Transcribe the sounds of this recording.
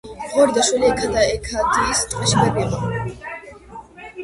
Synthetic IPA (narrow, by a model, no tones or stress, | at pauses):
ʁɔɾd̪aʃwɛliɛkʰad̪aɛkʰad̪iːst̪ʼqʼiʃbɛbiɔ